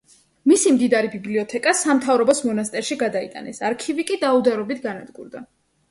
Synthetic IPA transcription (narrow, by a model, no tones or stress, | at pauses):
misimd̪id̪aɾibibliɔt̪ʰɛkʼasamt̪ʰavɾɔbɔsmɔnast̪ʼɛɾʃiɡad̪aḭt̪ʼa̰nɛsaɾkʰivikʼid̪aud̪aɾɔbit̪ʰɡanad̪ɡṵɾd̪a